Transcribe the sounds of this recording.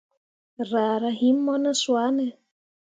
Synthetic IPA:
ra˨ɾaɦi˦mːɔ˦naswa˦nɛ

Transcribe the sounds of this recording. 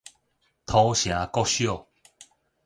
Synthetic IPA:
t̪ʰɔ˧˦ɕjã˨˦kɔ˥˦ɕjo˥˨

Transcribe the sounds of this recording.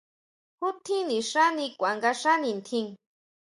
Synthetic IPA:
hu˦t̪ʰĩ˦nĩ˨ʂa˦nĩ˧kʷa˨ŋɡa˧ʂa˦nĩ˧nt̪ʰĩ˦˧ŋ

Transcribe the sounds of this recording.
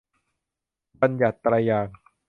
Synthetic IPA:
ba˧nja˨˩t̪ːɾaː˧jaː˨˩ŋ

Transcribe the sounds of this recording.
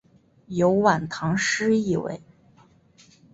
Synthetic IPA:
jo˧˥ʊwa˨˩nt̪ʰɑ˧˥ŋʂɻ̩˥i˥˩wḛ˧˥˩ɪ

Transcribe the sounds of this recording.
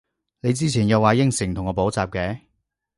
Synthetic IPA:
ne˨˧jt͡siː˥t͡sʰiː˨˩njɐ˨˧wːaː˨˧jɪ˥ŋsɪ˨˩ŋt̪ʰʊ˨˩ŋɔː˨˧po˨˥wt͡saː˨p̚kɛː˨˧˦

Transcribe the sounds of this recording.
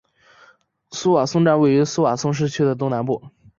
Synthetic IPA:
su˥wa˨˩sʊ˥ŋʈ͡ʂa˥˧nwe˥˩ɪy˧˥su˥wa˨˩sʊ˥ŋʂ̬ɻ̩˥˧t͡ɕʰy˥d̪ə˨t̪̬ʊ˥ŋna˧˥npu˥˩

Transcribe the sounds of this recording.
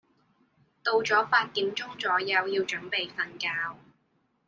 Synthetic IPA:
t̪o˧wt͡sɔː˨˥paː˧t̚t̪iː˨˥mt͡sʊ˥ŋt͡sɔː˨˥jɐ˧wjiː˧wt͡ʃɵ˨˥ŋpe˨jfɐ˧nkaː˧w

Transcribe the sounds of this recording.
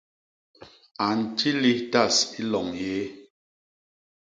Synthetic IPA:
a˨n̩˨tʰi˦li˦ta˦˨si˦lɔ˨ŋje˦

